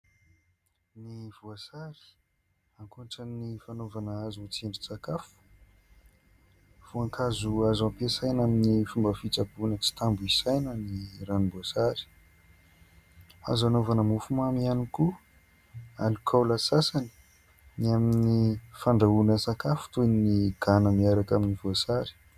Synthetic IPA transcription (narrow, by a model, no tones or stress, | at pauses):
nivuasaɾi̥ | aŋkoɳʈ͡ʂanifanovanaazut͡seɳɖ͡ʐusakafu̥ | v̥uaŋkʰazuazampesajnaminifumbəfit͡sabunət͡si̥t̪ambuisajnəniranimboasaɾi̥ | a̰zanovanəmufumamianiku | a̰lukʰawlasasani̥ | niaminifaɳɖ͡ʐaunəsakafu̥t̪unniɡ̥anəmiaɾakaminivoasaɾi̥